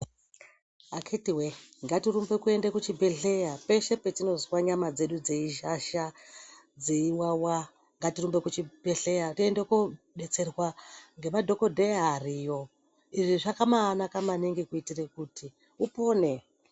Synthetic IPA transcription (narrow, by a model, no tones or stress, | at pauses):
akʰetiweŋɡatirumbe̞kue̞ndekut͡ʃibʱe̞ɬe̞jape̞ʃe̞pe̞tino̞zwaɲamad͡ze̞ɗud͡zeiʒaʃa | d͡zeiwawa | ŋɡatirumbe̞kut͡ʃibʱeɬejatiendeku | ɓe̞t͡se̞rwaŋɡe̞madʱo̞ko̞dʱejaɦarijo̞ | iʐiʐakamaːnakamaneŋɡekuitirekutʰi | upo̞ːne̞